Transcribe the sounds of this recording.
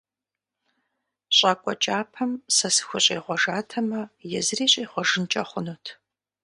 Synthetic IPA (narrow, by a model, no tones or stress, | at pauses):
ɕʼaːkʷʼɔt͡ʃʼaːpʰɐmsɐsɨ̥xʷʊɕʼeːʁʷɔʒaːtʰɐmɐjɛzɨriːɕʼeːχʷɔʒɨnt͡ʃʼɐχʷʊnuːtʰ